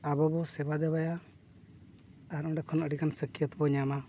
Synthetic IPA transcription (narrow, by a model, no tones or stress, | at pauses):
abɔbɔsɛbad̪ɛbaja | aɾɔɖɛkʰɔnəɽikansəkijət̪bɔɲama